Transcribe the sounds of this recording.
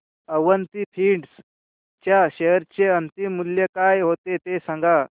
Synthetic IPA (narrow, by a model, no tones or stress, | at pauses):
əʋənt̪ipʰiːɖs | t͡ɕjaɕeɦəɾt͡ɕeənt̪imːuljekajɦot̪et̪esãŋɡa